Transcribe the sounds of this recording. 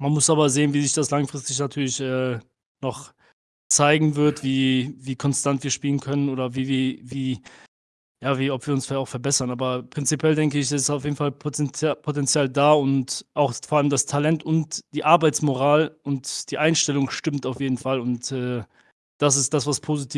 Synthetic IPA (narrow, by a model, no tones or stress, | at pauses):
manmʊsʔaːbɐzeːənviːzɪçd̥aslaŋfʁ̥ɪstɪç̬natʰyːɐlɪçʔɛː | nɔχ | t͡saɪɡŋ̩vɪɐtv̥iːviːkʰɔnstantv̥iːɐʃpiːlənkʰœnənoːɾɐviːviviː | jaːviːɔpv̥iːɐʊnsfaaʊfɛɐbɛsɐnʔaːbɐpʁ̥ɪnt͡sipʰjɛldɛŋkəɪçɛsɪsaʊfjeːdn̩falpʰotɛnt͡sjaːldaːʊntʔaʊxfoːʔaləmdastʰalɛntʊntd̥iːʔaɐbaɪt͡smoʁaːlʔʊntd̥iːʔaɪnʃtɛlʊŋʃtɪmtaʊfjeːdn̩falʊntɛː | d̥as̬ɪstd̥asv̥aspʰoːzitʰiː